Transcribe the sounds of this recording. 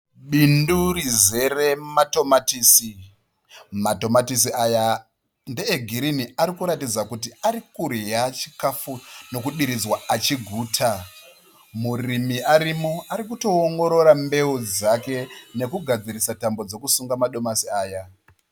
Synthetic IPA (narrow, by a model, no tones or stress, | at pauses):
ɓindurize̞re̞mato̞matiːsi | mato̞matis̬iaja | ndeːɡʱiɾiniaɾikuɾatid͡zakutiaɾikurejat͡ʃi̥kafuno̞kuɗiɾid͡zwaat͡ʃiɡʱuːtʰa | murimiaɾimoʔaɾikuto̞ːŋɡo̞ɾo̞ɾambe̞ud͡zake̞ne̞kuɡʱad͡ziɾisatambo̞d͡zo̞kusuŋɡamaɗo̞masiaːja